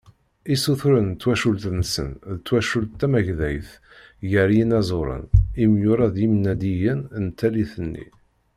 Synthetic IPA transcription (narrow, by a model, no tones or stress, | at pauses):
isuθɾənt̪ːwæʃult̪nəsə̰nðt̪ːwæʃult̪ːæmæʝðæjθ | jəɾjinæzˤoɾˤə̰nimjʊɾˤɑðimnæd̪ijənnt̪ːæliθənːḭ